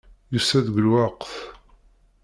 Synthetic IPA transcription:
jusæðɡəlwɑqθ

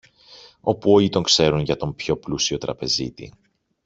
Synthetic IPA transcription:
o̞puo̞ʎit̪o̞ŋkse̞ɾunʝɐt̪o̞mpço̞plusio̞t̪ɾɐpe̞zḭt̪ḭ

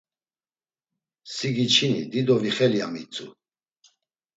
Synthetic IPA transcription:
siɡit͡ʃʰinḭd̪id̪ɔviχɛliamit͡sʼu

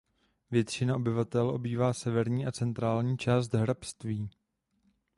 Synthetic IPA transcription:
vjɛt̪t͡ʃɪnao̞bɪvat̪ɛlʔo̞̰biːvaːsɛvɛɾɲiːʔat͡sɛnt̪ɾaːlɲiːt͡ʃaːs̬t̪ɦɾapst̪viː

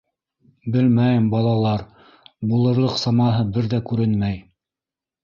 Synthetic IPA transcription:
bɘlmæjɘmbɑlˠɑlˠɑɾ | bulˠɤ̆ɾlˠɤqsɑmɑɦɤbɘɾðækʉɾɘnmæj

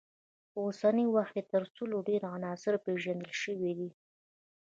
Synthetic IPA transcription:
əosanəwaxt̪et̪əɾsuloɖeɾanɑsɪɾpeʒand̪əlʃəwid̪i

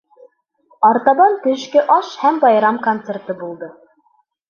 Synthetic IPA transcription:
ɑɾt̪ɑbɑnt̪ɵ̆ʃkɘʔɑʃhæmbɑjɾɑmkont̪sert̪ɤbulˠd̪ɤ

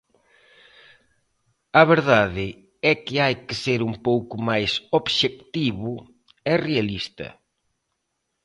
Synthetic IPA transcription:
ɐβeɾðaðɪ | ɛkɪajkɪseɾumpowkʊmajsoβʃekt̪iβʊ | ɛrealist̪ɐ̰

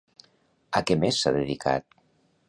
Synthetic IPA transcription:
əkɛmesːaðeðikʰa̰t̪̚

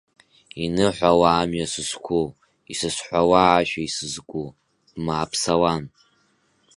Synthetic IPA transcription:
inɨħʷawaːmɥasɨskʷʰu | isɨsħʷawaːʃᶣaisɨzkʷʼu | b̥maːpʰsawan

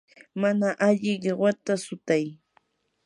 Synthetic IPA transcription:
manaʔaʎɪɢewat̪asʊt̪aj

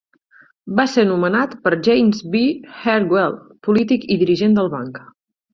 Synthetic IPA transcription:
basenumənat̪pəɾʒejmzβixɛɾɡwɛlˠ | pulit̪ikiðiɾiʒend̪əlˠβa̰ŋk

